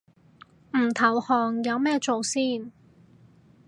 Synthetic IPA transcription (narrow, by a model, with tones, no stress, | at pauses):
m̩˨˩t̪ʰɐ˨˩whɔː˨˩ŋjɐ˨˧wmɛː˥˧t͡so˨wsiː˥˩n